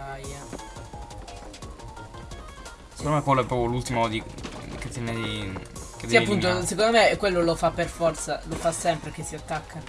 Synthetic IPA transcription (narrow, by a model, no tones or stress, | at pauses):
aja | se̥kond̪omekwelːoɛpːɾɔːpjolult̪imod̪iḭket̪ːɛned̪iked̪iapːunt̪osek̬ond̪omekwelːolofapːerfɔrt̪salofasɛmpɾek̟esːiat̪ːakʰːa